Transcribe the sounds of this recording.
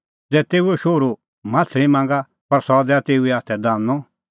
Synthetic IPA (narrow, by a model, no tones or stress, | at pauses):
d͡zɛːt̪eːuɛʃoːɾu | mãːtʰɾĩmãːŋ̆ɡa | pɐɾsɔd̪ɛat̪eːuɛaːt̪ʰɛd̪ãːnɔ